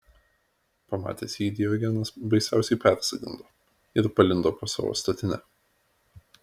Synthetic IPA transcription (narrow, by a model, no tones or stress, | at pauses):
pɐmɑ̰ːt̪ʲesʲiːd̪ʲɪjɔɡʲɛnɐsbɐɪsʲæˑʊsʲɛɪpʲæˑɾʲsɐɡʲɪ̰nd̪oː | ɪɾpɐlʲɪnd̪oːpoːsɑ̰ːʋo̰ːst̪ɐt̪ʲɪnʲɛ